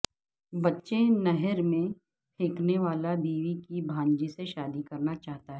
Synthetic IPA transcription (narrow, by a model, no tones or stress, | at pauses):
bɐtːʃenɛɦəɾmẽ | pʰeːkneʋaːlabiːʋikibʱãːɲd͡ʒiseʃaːd̪ikɐɾnat͡ʃaːɦt̪aɦɛɛː